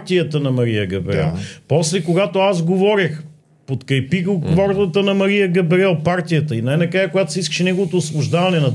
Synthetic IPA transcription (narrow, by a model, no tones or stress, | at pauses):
t̪ijət̪ənɐmɐɾijəɡɐbɾɛ̰lˠpɔslɛkoɡat̪oazɡovɔɾəx | pot̪kɐjpiɣokvɔɾd̪ət̪ənɐmɐɾijəɡɐbɾɛlˠpaɾt̪ijət̪əinaɛnɐkɾajəkojat̪o̥siskə̥ʃɛnɛɡovot̪oːsbˠʊʒd̪avɐnɛnɐ